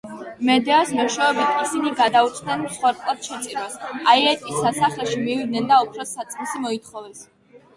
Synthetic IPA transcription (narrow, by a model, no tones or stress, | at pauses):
mɛd̪ɛasmɔʃaɛbit̪ʰisiniɡad̪aut̪sʼnɛnmsχwɛɾt̪p̪ʼlˠad̪̥ʃɛt̪sʼiɾasaiɛt̪ʼisːasaχlɛʃimivid̪̚nɛnd̪aɔpʰɾɔsat̪sʼχisimɔit̪χɔvɛs